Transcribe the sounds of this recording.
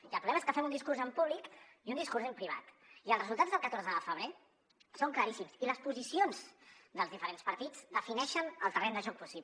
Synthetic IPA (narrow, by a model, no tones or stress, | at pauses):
iəlpɾulɛmeskəfɛmund̪iskuɾzəmpuβlikiund̪iskuɾzempɾiβa̰t̪ | iəlˠzrəzulˠt̪ad͡zzðəlˠkət̪oɾzəðəfəβ̞ɾe | soŋkləɾisimsiləspuzisionzd̪əlˠzðifəɾenspəɾt̪id͡z̥d̪əfinɛʃənəlˠt̪ərɛnd̪əʒɔk̚pusi